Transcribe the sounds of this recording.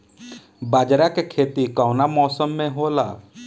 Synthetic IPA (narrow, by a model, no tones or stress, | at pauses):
baːd͡ʒɾakekʰeːt̪ikaʊnamɔːsəmːẽɦoːla̰ː